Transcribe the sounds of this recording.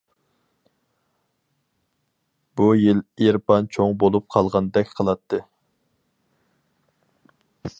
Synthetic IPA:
bujileɾpɑnt͡ʃʰoŋbolˠup̚qʰɑlˠʁɑnd̪ɛkʲqʰəlˠɑt̪ʰːɨ

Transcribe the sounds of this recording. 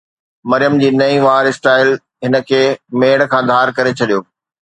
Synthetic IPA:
mɐɾijəmd͡ʑiːnɐĩʋaːɾɪsʈaːɪl | ɦɪnə̆kʰeːmeːɽ̃kʰãːd̪ʱaːɾkɐɾet͡ɕʰɐɗijoː

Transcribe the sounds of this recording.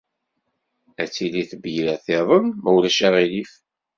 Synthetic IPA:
æt͡sːiliθəbjɾæθeðˤənməwlæʃæʁilif

